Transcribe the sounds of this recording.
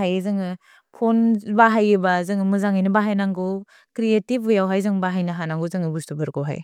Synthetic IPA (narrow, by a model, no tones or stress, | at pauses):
ajɯzɯŋɯ | pʰonbaɦajɯbazɯŋɯmɯzaŋajnɯbaɦajnaŋɡo | kɾietibujawɦajzɯŋbaɦajnaɦanaŋɡuzɯŋɯbustubɯɾkɔwɦa̰j